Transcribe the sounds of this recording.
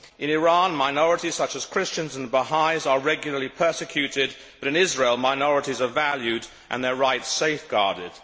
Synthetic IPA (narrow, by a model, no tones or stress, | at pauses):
ʔɨ̃nɪɹɑ̃nmaɪnɔɹəɾiz̥sʌt͡ʃəz̥kʰɹ̥ɪst͡ʃɨ̃nzə̃n̩ðəbəɦaɪzə˞ɹɛɡjl̩ˠə˞lipʰɜ˞sɨkʰj̥ʉɾɪd̚ | b̥ʌɾɨ̃nɪzɹeɪlˠmaɪnɔɹəɾizə˞vælˠjʉɾ | ʔɨ̰̃nðə˞ɹaɪtseɪfɡ̥ɑ̰ɹɾɪd̥